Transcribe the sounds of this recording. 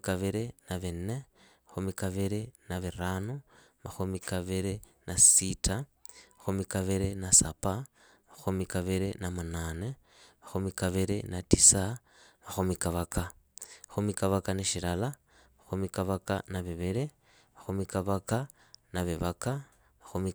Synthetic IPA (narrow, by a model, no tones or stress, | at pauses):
kaβiɾenaβenemaxumikaβiɾenaβiɾano | maxumikaβiɾenʔasitʰa | maxumikaβiɾenasapa | maxumikaβiɾenamanane | maxumikaβiɾenatisa | maxumikaβakamaxumikaβakaneʃilala | maxumikaβaka̰naβeβiɾe | maxumikaβaka | naβeβaka | maxumi